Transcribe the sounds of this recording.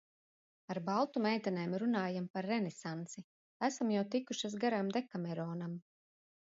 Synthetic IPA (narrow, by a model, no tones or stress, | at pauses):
aɾbalˠt̪umɛjt̪anɛːmɾunaːjampaɾːɛnɛsant̪si | æsamjawt̪ikuʃasɡaɾamd̪ekamɛɾɔːnam